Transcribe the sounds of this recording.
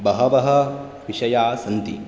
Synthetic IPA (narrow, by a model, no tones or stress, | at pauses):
bɐɦɐbɐɦɐ | ʋiʃɐjaːsɐnt̪ḭ